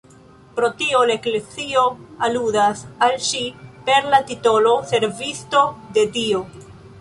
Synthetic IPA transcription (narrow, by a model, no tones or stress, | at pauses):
pɾo̞tio̞laeklet͡sio̞aludasalʃipe̞ɾlatito̞lo̞se̞ɾvisto̞de̞dio̞